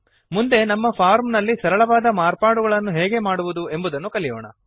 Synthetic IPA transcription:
mund̪e̞nɐmːɐpʰaːɾmnɐlːisɐɾɐɭɐʋaːd̪ɐmaːɾpaːɽuɡɐɭɐnːuɦɛːɡe̞maːɽuʋud̪ue̞mbud̪ɐnːukɐlijo̰ːɳɐ̰

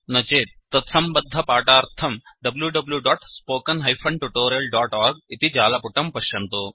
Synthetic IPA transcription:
nɐt͡ʃeːt̪ːɐt̪sɐmbɐd̪ʱːɐpaːʈaːɾt̪ʰɐmɖɐbljuɖɐbljuɖɔːʈspoːkɐnɦɐjpʰɐɳʈuʈoːɾijɐlɖaːʈɔːɾɡit̪id͡ʒaːlɐpuʈɐmpɐʃjɐnt̪oː

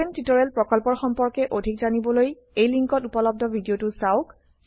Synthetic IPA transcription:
entitɔɹɛlpɹɔkɔlpɔɹxɔmpɔɹkɛʔodʱikzanibɔloj | ejliŋkɔtupɔlɔb̚dʱɔbʱidiotʊsaʊk

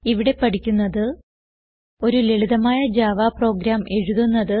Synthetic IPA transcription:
iʋiɽe̞pɐʈikʲːunːɐðɨ | o̞ɾuleɭiðɐmaːjɐd͡ʑaːʋaːpro̞ːɡɾaːme̞ɻuðunːɐðɨ

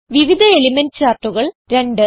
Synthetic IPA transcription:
ʋiʋid̪ʱɐeliment͡ɕaːrʈːuɣɐɭɾe̞ɳɖɨ

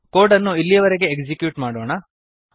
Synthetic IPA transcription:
ko̞ːɾʈɐnːuilːijɐʋɐɾeɡe̞ːkd͡ʒikjuːʈmaːɽoːɳɐ

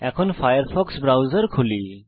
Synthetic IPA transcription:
ɛkʰɔnpʰajəɾpʰɔksbɾawzəɾkʰuli

